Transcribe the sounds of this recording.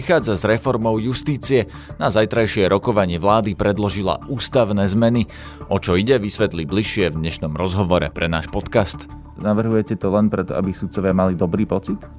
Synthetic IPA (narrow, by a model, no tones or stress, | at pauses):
ixaːd͡zazɾɛfɔɾmɔʊjust̪iːt͡siɛ | nazajt̪ɾajʃɪɛɾɔkɔʋaɲɪɛʋlaːd̪ipɾɛd̪lɔʒila̰uːst̪aʊnɛːzmɛni | ʔɔt͡ʃɔiɟɛʋisʋɛt̪libliʃɪɛvd̪ɲɛʃnɔmɾɔzɦɔʋɔɾɛ̰pɾɛna̰ːʃpɔt̪kast̪ | naʋr̩ɦujɛcɛt̪ɔlɛnpɾɛt̪ɔ̰a̰bisut̪̚t͡sɔʋɪamalid̪ɔbɾiːpɔt͡sit̪